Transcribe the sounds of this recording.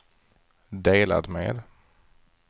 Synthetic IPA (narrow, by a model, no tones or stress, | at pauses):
d̪eːla̰d̪mḛːd̪